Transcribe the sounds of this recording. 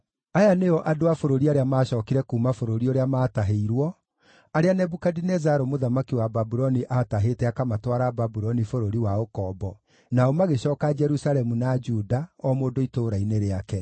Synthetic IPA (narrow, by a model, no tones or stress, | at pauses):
ajaneɔʔadoafoɾoɾiaɾeamaːɕɔːkiɾɛkuːmafoɾoɾiɔɾeamaːtaɦeiɾwɔ | aɾeanɛbukadinɛzaɾɔmoðamakiwababuɾɔniʔataɦetɛakamatwaɾababuɾɔnifoɾoɾiwaokɔbɔ | naɔmaɣeɕɔːkad͡ʒɛɾusaɾɛmunad͡ʒuːdaɔmoːdoitoɾaineɾeakɛ